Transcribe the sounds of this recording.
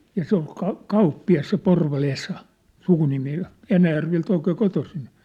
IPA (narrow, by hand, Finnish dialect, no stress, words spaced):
jɑ se ol kɑ kɑupːiɑs se porʋɑl esɑ sukunimi jɑ enæjærʋelt oikeː kotosin